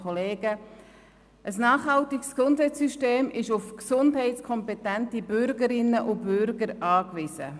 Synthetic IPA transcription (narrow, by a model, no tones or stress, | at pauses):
ɔleːɡ̥ə | ʔəsnɑːχɦɑltɪksksʊndhɛɪt͡sːyʃteːmʔɪʃʊfksʊndɦɛɪtskʰɔmpɛtæntibʏɾɡəɾɪnːəʔʊbʏɾɡəɾɑːkʋɪzə̰